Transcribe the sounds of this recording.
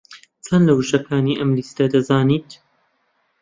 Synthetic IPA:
t͡sʰɐnlɐwɨʒɐkʰaːniːʔɐmlist̪ɐd̪ɐzaːniːt̪

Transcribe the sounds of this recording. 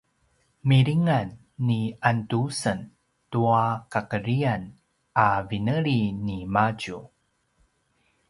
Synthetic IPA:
miɾiŋanː | iantusən | tuakakəɾian | avinəɾinimaɟu

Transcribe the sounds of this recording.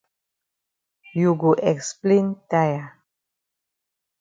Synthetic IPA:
juɡuʔeksplint̪aja

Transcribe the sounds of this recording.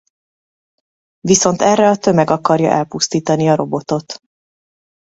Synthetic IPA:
viso̞n̪t̪ɛrːɛɒt̪ø̞mɛɡɒkɒrjɒ̰ʔɛlpust̪iːt̪ɒniɒɾo̞bo̞t̪o̞t̪

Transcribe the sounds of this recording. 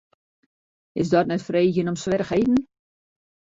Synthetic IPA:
ɪsdɔtnɛtfrejçənɔmsʋɛrəxejtn̩

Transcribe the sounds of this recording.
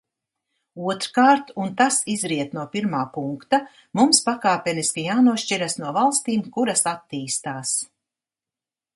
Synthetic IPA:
uɔt̪ɾkaːɾt̪unt̪asizɾiɛt̪nuɔpiɾmaːpuŋkt̪a | mumspakaːpʲɛniskijaːnuɔʃt͡ʃiɾasnuɔvalˠst̪iːmkuɾasat̪ːiːst̪aːs

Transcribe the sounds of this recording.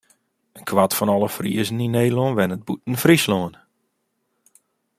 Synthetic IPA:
ənkʰwatfɔnɔlˠəfrḭəzəninejdloənʋɛnət̚but̚n̩frisloːən

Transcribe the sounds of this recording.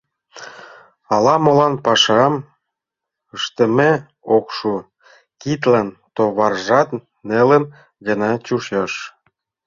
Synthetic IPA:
ɑlɑmolɑnpɑʃɑm | əʃt̪ə̆me | okʃu | kit̪̬lɑnt̪oβɑrʒɑt̪ | nelə̆n | ɡə̆nɑt͡ɕuʃɑʃ

